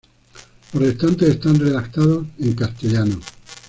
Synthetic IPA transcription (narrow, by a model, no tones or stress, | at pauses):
poɾðest̪ant̪eest̪anreðak̚t̪aðose̞ŋkast̪eʎano